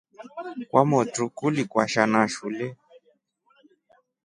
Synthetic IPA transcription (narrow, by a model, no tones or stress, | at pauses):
kwʔamɔtukulikwaʃanaʃulɛ